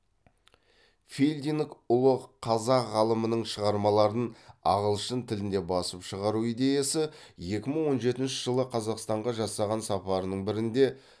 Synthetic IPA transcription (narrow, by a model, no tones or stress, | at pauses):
fʲelʲd̪inkʊlˠəqʰɑzɑqʁɑlˠəmənəɴʃəʁɑɾmɑlˠɑɾənɑ̰ʁəlˠʃənt̪ʰɪlɪnd̪e̞bɑsəpʃəʁɑɾuijd̪e̞jɑsɪje̞kʲɪməɴwo̞nʒe̞t̪ɪnʃɪʒəlˠəqʰɑzɑqst̪ɑɴʁɑʒɑsɑʁɑnsɑpɑɾənəɴbɪɾɪnd̪e̞